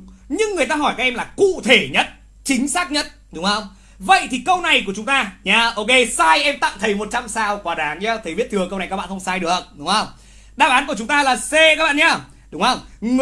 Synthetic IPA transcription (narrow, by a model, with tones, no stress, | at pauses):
ɲɨ˧ŋːɨ˨˩əjt̪aː˧ɦɔ˧˩jkaː˦˥k̚ʔɛ˧mlaː˨˩kṵ˧˨t̪ʰe˧˩ɲə˦˥t̚ | t͡ɕï˨˦ŋ̟saː˦˥k̚ɲə˦˥t̚ɗʊ˨˦ŋ͡mhə˧wŋ͡m | və̰˧˨jt̪ʰi˨˩kə˧wna˨˩jku˧˩ət͡ɕʊ˨˦ŋ͡mt̪aː˧ɲaː˧ʔo˧ke˧saː˧jʔɛ˧mt̪a̰ː˧˨ŋ͡mt̪ʰə˨˦jmo˨˩t̚t͡ɕa˧msaː˧wkwaː˨˦ɗaː˨˦ŋɲaː˨˧t̪ʰə˨˦jvḭ˦˥t̪ʰɨ˧˩əkə˧wna˨˩jkaː˦kɓa̰ː˧˨xə˧wŋ͡msaː˧jɗɨ˨˩ək̚ɗʊ˨˦ŋ͡mhə˧wŋ͡m | ɗaː˧˩ɓaː˨˦nku˧˩ət͡ɕʊ˨˦ŋ͡mt̪aː˧laː˨˩se˧kaː˦˥k̚ɓa̰ː˧˨ɲaː˧˩ | ɗʊ˨˦ŋ͡mhə˧wŋ͡m